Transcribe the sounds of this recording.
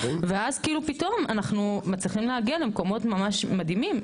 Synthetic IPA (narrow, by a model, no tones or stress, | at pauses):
veazkilupito̞manaχnumat͡sliχimlehaɡialemko̞mo̞tmamaʃmadimim